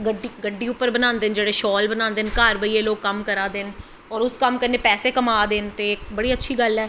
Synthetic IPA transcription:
ɡəɖiɡəɖiːʊpːəɾbənãːnd̪eːnd͡ʒeːɽeːʃɔːlbənaːnd̪eːnkaːɾʋəiːeːloːkːəmkəɾaːd̪eːn | ɔːɾʊskəmkəɾneːpɛːseːkəmaːd̪eːnt̪eːɪkbəɽiːətːʃʰiːɡəlɛː

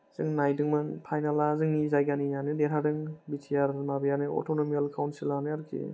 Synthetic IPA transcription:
z̥ɯŋnajdɯŋmɯnpʰajnalazɯŋnizajɡanijanɯdeɾadɯŋbitʰijaɾmabijanɯo̰tonomialkʰawnsilanɯaɾkʰḭ

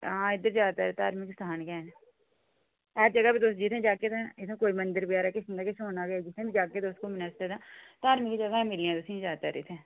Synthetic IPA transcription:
ɦãːɪd̪əɾd͡ʒaːt̪aɾet̪aːɾmikɪsaɦaːnkɛn | ɛːd͡ʒəɡabʱid̪oːsd͡ʒɪt̪ʰẽd͡ʒaːket̪ːt̪ʰẽkoːimənd̪əɾbijaːɾakesɪnd̪akeʃoːnaɡaːd͡ʒɪt̪ʰẽbʱid͡ʒaːked̪oːst̪̚komɪnəst̪et̪ãːt̪aːɾmikid͡ʒəɡaɛ̃mɪɾiãːd̪oːsĩd͡ʒaːt̪a̰ɾḛt̪ʰɛ̃ː

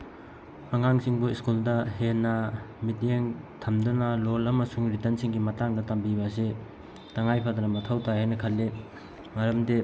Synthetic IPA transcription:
ɐŋaŋsiŋbuiskuldɐɦenːɐmit̬jeŋtʰɐmdunɐlolɐmɐsuŋɾitɐnsiŋɡimɐtaŋdɐtɐmbibɐs̬i | tɐŋajpʰadɐnɐmɐtʰɐwtʰajɦajnɐkʰɐlːi | mɐɾɐmde

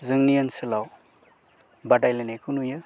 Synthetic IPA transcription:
zɯŋnijɐnsɐlaw | badajlenekunujɯ

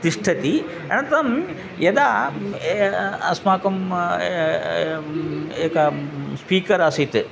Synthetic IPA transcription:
t̪iʂʈʰɐt̪i | ɐ̰nɐt̪ɾɐm | jɐd̪aː | ɐsmaːkɐm | eːkɐspiːkɐɾasit̪ɨ

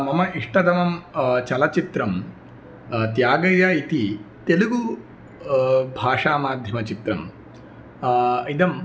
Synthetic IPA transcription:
mɐmɐiʂʈɐd̪ɐmɐmt͡ʃɐlɐt͡ʃit̪ɾɐm | t̪jaːɡɐjɐit̪it̪eluɡu | bʱaːʂaːmaːd̪ʱjɐmɐt͡ʃit̪ɾɐm | id̪ɐm

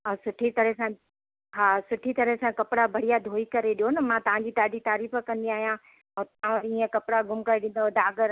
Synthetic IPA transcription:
ɛ̃sʊʈʰit̪ɐɾɦsã | ɦaːsʊʈʰit̪ɐɾəɦesãkɐpɪɽabʱɐɽijad̪ʱoːikɐɾeɗijonɐmãːt̪ɐʋ̤ãɲ̆d͡ʑiːt̪aːɖit̪aːɾiːfə̆kɐ̃nd̪iaːɦijã | ɛ̃ːt̪ãʋɐɾiĩːə̃kɐpɪɽaɡʊmkaːeɗɪ̃ːn̆d̪od̪aːɡəɾ

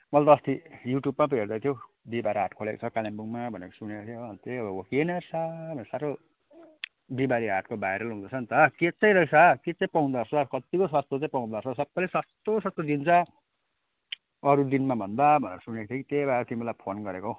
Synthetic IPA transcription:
mʌlat̪ʌst̪ʰijuʈjubmap̬erd̪ajt̪ʰjo | bibaɾiɦaʈkʰolekot͡sʰʌkalembuŋmabʱʌnekosunekot̪ʰjoʌnt̪ʰeʌbʌwʌkinʌsabʱʌnesaɾo | bibaɾiɦaʈkobajɾʌlɦũd̪ʌt͡sʰʌnt̪ʌket͡sãĩɾʌisʰʌket͡sãĩpaũd̪ʌrsʌkʌt̪ikoswast̪ot͡sãĩpaũd̪ʌrsʰʌsʌbːajleswʌst̪osʌst̪od̪int͡sʰʌ | ʌɾud̪inmabʱʌnd̪abʱʌnḛɾʌsunekot̪ʰjokit̪ebaɾt̪imbelajpʰonɡʌɾeko

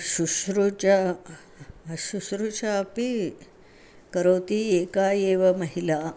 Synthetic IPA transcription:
ʃuʃɾut͡ʃɐ | ʃuʃɾut͡ʃaːpi | kɐɾoːt̪ieːkaːjeːʋɐmɐɦilaː

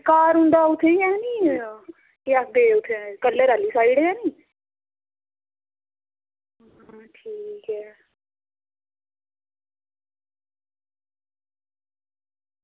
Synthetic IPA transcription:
kaːɾɦʊ̃nd̪aːʊt̪ʰːeiɛ̃ːniː | iak̚d̪eːʊt̪ʰːekəlːeːɾaːliːsaːiɽeɛːniː | ʈʰiːkɦɛː

